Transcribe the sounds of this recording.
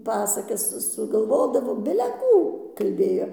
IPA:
ˈpɑːsɐkɐs sʊɡɐlˠˈʋoːdɐʋoː bʲɪlʲɛ ˈkuː ˈkɐlʲbʲeːjoː

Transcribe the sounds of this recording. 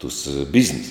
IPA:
tʊs ˈbʲɪzʲnʲɪs

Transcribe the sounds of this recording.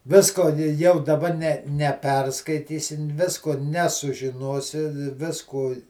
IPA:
ˈʋʲɪskoː nʲɪ jɛʊ dɐˈbɐ nʲɛ nʲɛˈpʲɛrskɐɪtʲiːsʲɪ ˈʋʲɪskoː nʲɛsʊʒʲɪˈnoːsʲɪ ˈʋʲɪskuː

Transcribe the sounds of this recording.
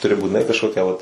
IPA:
tʊˈrʲɪ buːtʲɪˈnɐɪ kɐʃˈkoːkʲɛ ʋɐt

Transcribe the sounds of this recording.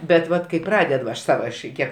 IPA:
bʲɛt ˈʋɐt kɐɪ ˈprɑːdʲɛt ʋɐ ɐʃ ˈsɑːʋɐ ɐʃ ˈkʲiɛk

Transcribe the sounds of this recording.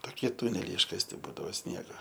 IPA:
toːˈkʲiɛ ˈtʊnʲɛlʲɛɪ ɪʃkɐsʲˈtʲɪ ˈbuːdɐʋoː ˈsʲnʲiɛɡoː

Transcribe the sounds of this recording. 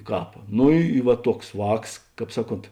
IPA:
ˈkɑːp ˈnoː ˈiː ɪ ʋɐ ˈtuɔks ˈʋɑːks ˈkɑːp ˈsɑːˌkoːnt

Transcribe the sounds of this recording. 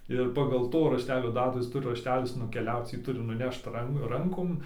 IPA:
ɪr pɐɡɐlˠ ˈtoː rɐʃʲˈtʲæːlʲoː ˈdɑːtuː ˈjɪs ˈtʊrʲɪ rɐʃʲˈtʲæːlʲɪs nʊkʲɛˈlʲɛʊt͡s ˈjiː ˈtʊrʲɪ nʊˈnʲɛʃt ˈrɐn ˈrɐŋkoːm

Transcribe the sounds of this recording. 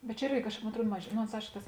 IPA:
bʲɛt t͡ʃʲɛ ˈɪrʲɡʲɪ moːn ɐtˈruɔt mɐʃ ˈnoː oːns ˈɐɪʃkoː ˈtɐs

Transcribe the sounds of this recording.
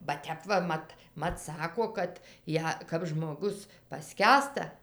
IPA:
bɐ ˈtʲɛp ʋɐ ˈmɐt ˈmɐt ˈsɑːkoː ˈkɐt ˈjæː kɐp ʒmoːˈɡʊs pɐˈsʲkʲæːstɐ

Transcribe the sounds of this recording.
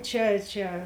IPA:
ˈt͡ʃʲɛ ˈt͡ʃʲɛ

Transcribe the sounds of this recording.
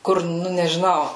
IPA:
ˈkʊr ˈnʊ nʲɛʒʲɪˈnɐʊ

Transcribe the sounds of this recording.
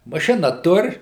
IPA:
mɐˈʃʲɪnɐ ˈtʊr

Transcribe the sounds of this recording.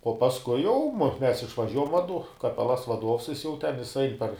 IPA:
uɔ pɐsˈkʊɪ jɛʊ mʊ ˈmʲɛs ɪʃʋɐˈʒʲuɔjɛm ʋɐˈdʊ kɐˈpʲæːlˠɐs ʋɐˈduɔws ˈjɪs jɛʊ tʲɛn ˈjɪs ˈɐɪn pɐr

